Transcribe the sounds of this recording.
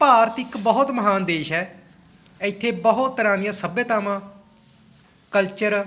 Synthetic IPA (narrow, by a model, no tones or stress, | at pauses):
paːɾət̪ɪkbəɦʊt̪məɦaːnd̪eːʃɦɛː | ɪt̪ʰːeːbəɦʊt̪ːəɾãːnɪjãːsəbjət̪aːmãː | kəlt͡ʃəɾ